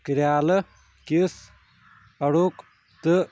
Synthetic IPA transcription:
kɨɾʲaːlɨ | kis | ɐɽuːk | t̪ɨ

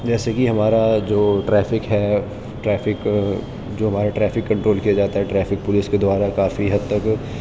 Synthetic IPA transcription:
d͡ʒɛːsekiɦɐmaːɾad͡ʒoːʈɾɛːfɪkɦɛ | ʈɾɛːfɪk | d͡ʒoːɦɐmaːɾaʈɾɛːfɪkːɐ̃ɳʈɾoːlkijad͡ʒaːt̪aɦɛʈɾɛːfʰɪk̚pʊlɪsked̪ʊaːɾakaːfiɦɐd̪̚t̪ɐk

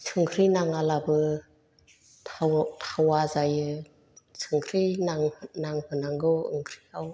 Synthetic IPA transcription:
sʰɯŋkʰɾinaŋalabɯ | tʰawazajɯ | sʰɯŋkʰɾinaŋnaŋhɯnaŋɡɯwɯ̰ŋkʰɾiaw

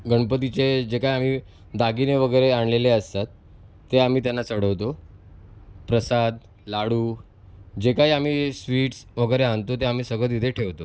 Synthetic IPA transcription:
ɡəɳpət̪̬it͡sed͡ʑekaɦiam̤i | d̪aɡineʋəɡəjɾeaɳleleəst̪at̪ː | eam̤iːt̪janːat͡səɽəʋt̪o | pɾəsad̪ | laɽuː | d͡ʑekaɦiːam̤iːsʋiːʈsʋəɡəjɾeant̪ot̪eam̤iːsəɡɭət̪id̪ʱeʈʰeʋt̪o

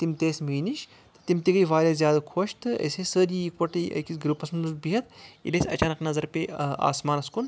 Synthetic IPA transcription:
t̪imt̪eːsʲmiːniʃ | t̪ɨ̥t̪imt̪iɡɐjʋaːlʲaːzjaːd̪ɐkʰoːʃt̪ɨɐ̰sʲesəːɾiikpɐʈɨjʔɐ̰kisʲɡɾupɐsmɐnuzbiɦɐt̪̚ḭlɐsʲɐ̰t͡ʃaːnɐknɐzɐɾpea̰ːsmaːnɐskun

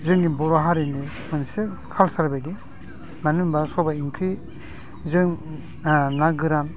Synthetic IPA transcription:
zɯŋnibɔɾaɦaɾini | mɯnse | kʰalsaɾbaɡi | manɯmbasɔbaiŋkʰɾi | zɯŋ | naɡɯɾam

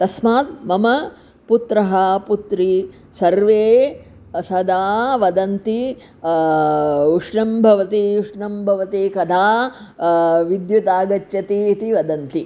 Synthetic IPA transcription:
t̪ɐsmaːt̪mɐmɐ | put̪ɾɐɦɐput̪ɾi | sɐɾʋeː | ɐsɐd̪aːʋɐd̪ɐnt̪i | uʂɳɐmbʱɐʋɐt̪iuʂɳɐmbʱɐʋɐt̪ikɐd̪ʰʱaː | ʋid̪jut̪aːɡɐt͡ʃjɐt̪iːt̪iʋɐd̪ɐnt̪i

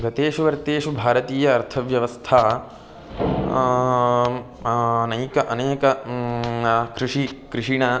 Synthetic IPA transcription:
ɡɐt̪eːʃuʋɐɾt̪eːʃubʱaːɾɐt̪iːjɐːɾt̪ʰɐʋjɐʋɐst̪ʰaɐ | nɐjːkɐʔɐneːkɐ | kɾɪʂikɾɪʂiɳɐ

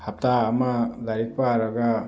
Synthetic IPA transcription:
hap̚taːmalaɾik̚paɾaɡa

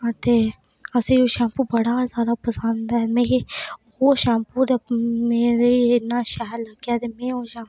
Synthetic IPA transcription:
at̪e | əseoːʃãːmpubəɽaːzjaːd̪aːpəsə̃nd̪aːɛmẽːkehoːʃãːmpuːɾmeːɾeɪnaːʃaɦɾləɡjaːt̪eːmẽːoːʃaːm

